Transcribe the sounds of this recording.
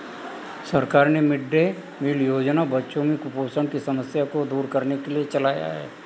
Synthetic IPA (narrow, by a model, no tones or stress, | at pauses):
səɾkaɾnemiɖːe | miljod͡ʒnabətːʃõmikuposəɳkisəməsjakod̪uːɾkəɾnekeliet͡ʃəlaja̰ɦḛ